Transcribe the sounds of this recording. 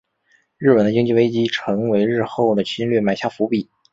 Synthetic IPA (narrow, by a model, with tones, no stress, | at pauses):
ɻɻ̩˥˩pə˨˩nd̪ə˦t͡ɕi˥ŋt͡ɕi˥˧we˥ɪt͡ɕi˥ʈ͡ʂʰɤ˧˥ŋwe˧˥ɪɻɻ̩˥˧xo˥˩ʊd̪ə˩t͡ɕʰi˥nlɥɛ˥˩ma˧˥ɪɕja˥˩fu˧˥pi˨˩˦